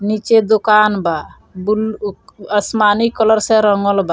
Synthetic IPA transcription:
nit͡ʃed̪ukanba | buləsmanikɔlɔɾsɛɾɔŋɔlba

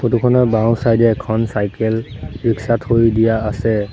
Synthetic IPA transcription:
xotukʰɔnɔbãw̃sajdɛːkʰɔnsajkɛlɹiksathojdijaːsɛ

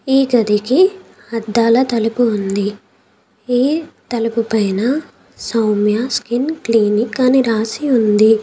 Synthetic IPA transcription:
iːɡɐd̪iki | ɐd̪ːaːlɐt̪ɐlupuund̪i | iːt̪ɐlupupɐjnɐ | sɐwmjaskinkliːnikːaːniɾaːsiund̪i

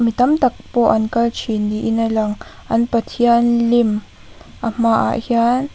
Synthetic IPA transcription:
mit̪ɐmt̪ɐk̚pɔʔɐnkɐlt͡ʃʰindiʔinalɐŋʔɐnpɐt̪ʰiɐnlim | ʔam̥aʔa̰ʔhian

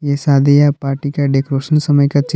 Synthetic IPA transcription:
jesaːd̪ʱijapaːɾʈikaɖeːkɾoːʃənsɐməjkat͡ʃ

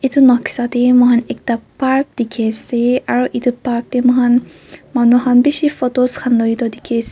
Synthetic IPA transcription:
it̪ʰunɔkʰsat̪emɔɦanek̚tapaɹk̚d̪̥ikʰeseaɹuʔit̪ʰupaɾk̚temɔɦan | manuɦanbisifɔtoskʰanlɔjt̪ɔd̪ikʰese

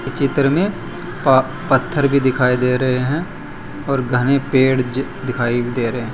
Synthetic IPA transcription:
t͡ʃɪt̪ɾmẽ | pət̪ʰːəɾbʱid̪ɪkʰaːid̪eːɾɐɦeɦɛ̃ | ɔːɾɡʱənepeːɽd̪ɪkʰaːibʱid̪eːɾɐɦe

